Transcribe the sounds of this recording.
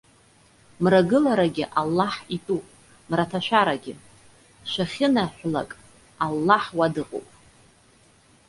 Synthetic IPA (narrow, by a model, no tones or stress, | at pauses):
mraɡɨlaɾaɡʲɪʔalːaħitʼupʼ | mratʰaʃʷᶣaɾaɡʲɪ | ʃʷaχʲɪnaħʷla̰kʼ | alːaħwadɨqʼo̰wpʼ